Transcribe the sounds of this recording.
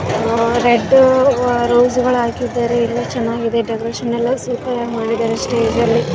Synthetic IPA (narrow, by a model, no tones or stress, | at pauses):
ɾeɖː | ɾoːzuɡɐɭaːkid̪ːaːɾeilːɐt͡ʃɐnaːɡid̪e̞ɖekɐɾeːʃɐnːɛlːɐsuːpɐɾaːɡmaːɽid̪aːɾesʈe̞ːd͡ʒɐlːi